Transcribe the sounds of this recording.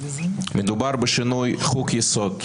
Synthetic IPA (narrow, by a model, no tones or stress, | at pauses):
məd̪ubaɾbəʃinujχukjɪsod̪